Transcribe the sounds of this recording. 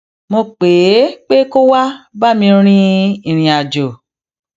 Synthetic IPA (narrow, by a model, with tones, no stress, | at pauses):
mo˧k͡pe˨˦k͡pe˦ko˦wa˦ba˦˨mĩ˧ɾ̃ĩ˦ĩ˦˨ɾ̃ĩ˨a˨d͡ʒo˨